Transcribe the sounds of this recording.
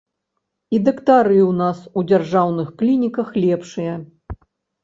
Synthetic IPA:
id̪ɐkt̪aɾɨwnasud͡zʲarʐawnɨxklʲinʲikɐxlʲɛpʂɨjɐ

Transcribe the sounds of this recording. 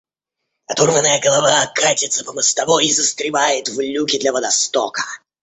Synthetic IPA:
ɐt̪urmənəjəɡəlˠavaɐkatʲɪt̪səpəməst̪ɐvɔizəst̪ɾʲɪvajɪt̪vlʲukʲɪd̪lʲɐvəd̪ɐst̪o̰kə̥

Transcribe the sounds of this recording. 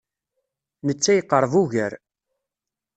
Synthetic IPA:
nət͡sːæjəqːəɾˤvuʝəɾ

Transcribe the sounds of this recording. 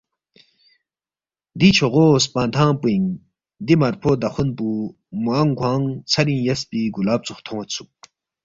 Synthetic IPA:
d̪it͡ʃʰoʁoːspãːnt̪ʰãːpuiŋ | d̪imɐɾpʰoːd̪ɐxunpu | muaŋɡʷwãːŋt͡sʰɐɾĩjɐspiɡulaːp̚t͡suxt̪ʰõwɐt͡sʰu̥k̚

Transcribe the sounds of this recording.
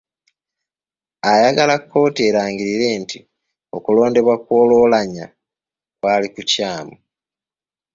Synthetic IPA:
ajaɡalakːo̞ːtie̞ːɾaːɲɡiɾiɾe̞ːnti | o̞kulo̞ːnde̞βwakwo̞ːloːlaɲa | kwaːlikucaːmu

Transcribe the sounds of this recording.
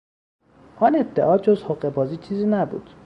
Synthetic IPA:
ʔɒne̞d̪̥eʔɒːd͡ʒozhoɣe̞bɒːziːt͡ʃʰiːziːnæbṵːd̪̥

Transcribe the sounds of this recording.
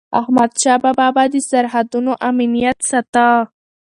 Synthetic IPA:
a̰hmad̪ʃɑbababad̪əsaɾɦad̪unoʔaminijat̪sat̪a

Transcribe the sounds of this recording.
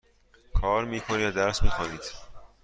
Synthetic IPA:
kʰɒːɾmiːkʰoniæd̪æɾsmiːxɒːniːd̪̥

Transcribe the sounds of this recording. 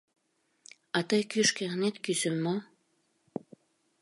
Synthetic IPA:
ɑt̪əjkyʃkeʁnet̪kysəmːo

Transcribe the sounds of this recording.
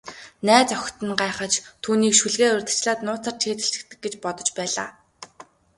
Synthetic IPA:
næːt͡sœxʲt̪ɘ̆nɢaːχə̆t͡ɕt̪ʰuːniːkʃuɮɣeːʊrʲt̪ə̆t͡ɕɮaːt̪nʊːt͡sʰaːr̥t͡ɕʰeːt̪ɘ̆ɬɘ̆kt̪ɘ̆k̚ɡet͡ɕpɔt̪ɞ̆t͡ɕpæːɮa̰ː

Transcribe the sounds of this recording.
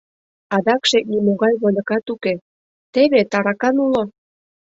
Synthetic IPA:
ɑd̪ɑkʃek̚nimoɣɑjβolʲɤ̆kɑt̪uke | t̪eβet̪ɑɾɑkɑnulo

